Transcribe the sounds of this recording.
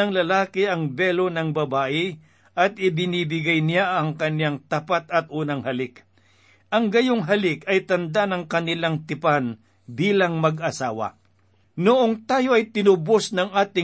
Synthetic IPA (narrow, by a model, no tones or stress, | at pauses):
ɐŋlɐlaːkɪɐŋbɛlo̞nɐŋbɐbaːʔɪ | ʔɐt̪̚ʔɪbɪniːbɪɡajnɪjaʔɐŋkɐnjaŋt̪ɐpat̪ɐt̪̚ʔuːnɐŋhɐlɪk | ʔɐŋɡɐjoŋɦɐlɪkɐjt̪ɐnd̪anɐŋkɐnɪlaŋt̪ɪpan | biːlɐŋmɐɡʔɐsaːwɐ̰ | nʊʔoŋt̪aːjo̞ʔɐjt̪ɪnʊbosnɐŋʔaːt̪ɪ